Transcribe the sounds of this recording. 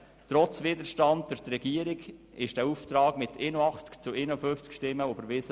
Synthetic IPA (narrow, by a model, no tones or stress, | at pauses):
t̪ɾɔt͡svɪdəɾʃtɑnd̚d̪ʊɾt̪ɾɛɡiəɾiɡ | ɪʃd̥æɾuft̪ɾɑːɡmɪt̪ʰɪnoɑχt͡skt͡sʊɪnofʏnft͡skʃtɪmːəobəɾʋɪs